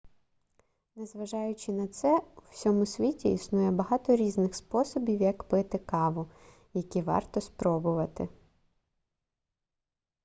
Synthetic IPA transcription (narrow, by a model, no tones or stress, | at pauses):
nezʋɐʒɑjʊt͡ʃɪnɐt̪sɛusʲɔmʊsʲʋʲitʲiːsnujɛbɐɦɑt̪ɔɾʲiznɪxspɔsɔbʲiwjɐkpɪt̪ɪkɑʋʊ | jɐkʲiʋɑ̰rt̪ɔspɾɔbʊʋɐt̪ɪ